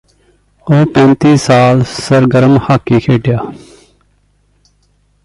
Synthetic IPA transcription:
oːpɛ̃ːnt̪iːsaːlsəɾɡəɾmhaːkiːkʰeːʈjaː

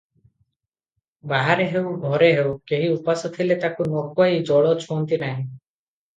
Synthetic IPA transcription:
baɦaɾeɦewbʱɔɾeɦewkeɦiupasɔt̪ʰilet̪akunɔkaid͡ʒɔɭɔt͡ʃʰoːnt̪inaɦĩ

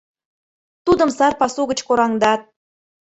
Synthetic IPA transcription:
t̪ud̪ə̆msɑrpɑsuɣə̆t͡ɕkoɾɑŋd̪ɑt̪̚

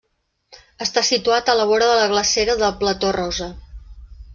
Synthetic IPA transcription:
əst̪asit̪uat̪ələβɔɾəðələɣləseɾəðəlˠplət̪orɔzə

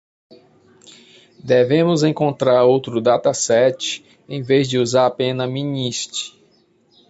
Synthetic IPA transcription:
d̪ɛvẽmʊzẽkõnt̪ɾaɾowt̪ɾʊd̪at̪ɐsɛt͡ʃɪ̥ | ẽj̃vezd͡ʒɪuzaɾapẽnɐmĩniʃt͡ʃi̥

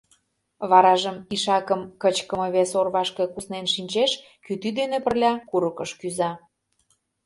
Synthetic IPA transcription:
βɑɾɑʒəmiʃɑkə̆mkət͡ɕkə̆mɤ̆βesorβɑʃkekusnenʃinʲt͡ɕeʃ | kyt̪yd̪enepə̆rlʲɑkuɾəkə̆ʃkyzɑ

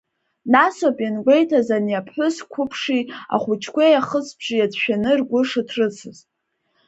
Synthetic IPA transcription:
nasapʼjanɡʷejtʰazanjapʰħʷʊskʷʰʊpʰʂia̰χʷut͡ʃʰkʷʰejaχəsʰpʰʒʷijadʃᶣanɨrɡʷʊʂɨtʰrɨt͡sʰɨz

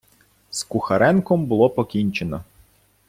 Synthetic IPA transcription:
skʊxɐɾɛnkɔmbʊlˠɔpɔkʲinʲt͡ʃenɔ

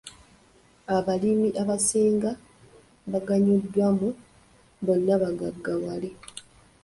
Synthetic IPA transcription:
aβalimiʔaβasiːŋɡa | βaɡaɲodːwamu | βo̞nːaβaɡaɡːawale

